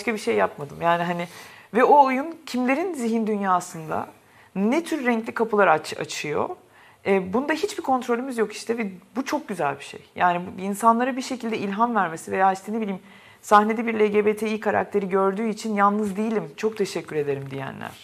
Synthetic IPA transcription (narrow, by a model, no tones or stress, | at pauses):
ʃkabiʃe̞jːapmad̪ɯmjaːniɦanivɛo̞ujuncʰimlʲe̞ɾinziɦind̪ynjaːsɯnd̪a̰ | nɛt̪ʰyɾːɛɲclʲikʰapɯlˠaɾat͡ʃʰa̰t͡ʃʰɯjo̞̰ | ɛːbund̪aɦit͡ʃbikʰo̞nt̪ɾo̞lʲymizjo̞ki̥ʃt̪ʰɛvɛbut͡ʃʰo̞k̚ɟyzælʲbiʃe̞̰jjaːnibinsanlˠaɾabiɾʃe̞cʰilʲd̪ɛilʲɦanvæɾme̞sive̞jaːiʃt̪ɛne̞bilʲiːm | sahne̞d̪ɛbiɾlʲeɟebeːt̪ʰeijkʰaɾa̰k̚t̪ʰe̞ɾiɟø̞ɾd̪yːit͡ʃʰinjalˠnɯzd̪ijilʲimt͡ʃʰo̞k̚t̪ʰe̞ʃɛcʰːyɾe̞d̪e̞ɾimd̪ijæ̰nlʲæ̰ɾ̥